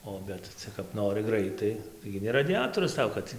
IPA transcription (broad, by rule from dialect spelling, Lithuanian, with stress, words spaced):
oː ˈbʲɛt ˈt͡sʲɛ kɐp ˈnoːrɨ ˈɡrɐɪtɐɪ ˈtɐɪɡʲɪ nʲɛ rɐdʲɪˈjæːtoːrʊs ˈtɐʊ kɐt